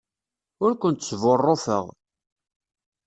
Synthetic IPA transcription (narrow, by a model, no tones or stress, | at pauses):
ʊɾkʷənt̪t͡sːvʊrˤːofə̰ʁ